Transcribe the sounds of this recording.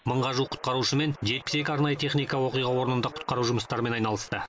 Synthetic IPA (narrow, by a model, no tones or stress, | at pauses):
məɴʁɑʒuwqʰʊ̥t̪̚qɑɾuʃəme̞nʒe̞t̪pɪ̥se̞kʲɪɑɾnɑjət̪ʰe̞χnijkɑwo̞qijʁɑwo̞ɾənənd̪ɑqʰʊ̥t̪̚qɑɾuʒʊməst̪ɑɾəme̞nɑjnɑlˠəst̪ə